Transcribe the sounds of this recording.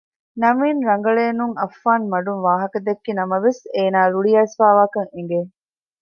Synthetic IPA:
nɐmiːnɾɐŋ̆ɡɐɭeːnuŋʔɐfːaːnmɐɖunʋaːɦɐkɐd̪ekːinɐmɐʋeseːnaːɾuɭijɐːsfaːʋaːkɐŋeŋ̆ɡe

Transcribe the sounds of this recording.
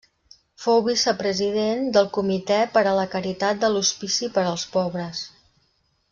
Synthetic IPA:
fowβisəpɾəziðend̪əlˠkumit̪ɛpəɾələkəɾit̪at̪̚d̪əluspisipəɾəlˠspɔβɾəs

